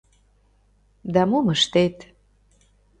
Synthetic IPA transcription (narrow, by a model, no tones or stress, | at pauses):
d̪amuməʃt̪et̪